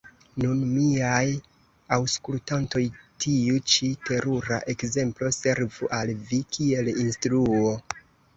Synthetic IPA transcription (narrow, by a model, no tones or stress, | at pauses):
nunmiaj | awskultanto̞jtʰiut͡ʃitʰe̞ɾuɾa̰ʔekze̞mplo̞se̞ɾvuʔalvikʰie̞linstɾuo̞